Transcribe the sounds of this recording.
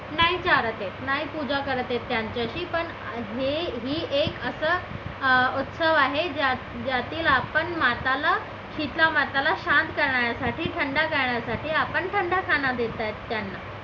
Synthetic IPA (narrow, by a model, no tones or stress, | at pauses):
naɦit͡ɕaɾət̪jet̪naɦipud͡ʑakəɾət̪jet̪ːjaɲt͡ɕjaɕiːpəɳ | ɦeɦiːʔekəsəː | ut̪səʋaɦed͡ʑa | d͡ʑjat̪iːlapəɳmat̪ala | kʰit̪lamat̪alaɕant̪kəɾɳaɾjasaʈiːʈʰəɳɖakəɾɳjasaʈʰiːapəɳʈʰəɳɖʱakʰanad̪et̪ajt̪ːjanːa